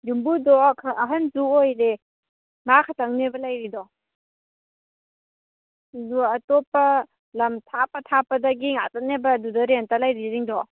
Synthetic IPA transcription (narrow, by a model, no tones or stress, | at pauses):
dumbudɔkʰaːɦɐnzuojɾe | makʰatɐŋnebɐlajɾidɔ | zuɐtɔpːɐ | lɐmtʰapɐtʰapɐdɐɡiŋa̰tɐt̚nebɐːdudaɾentalajɾiziŋdɔ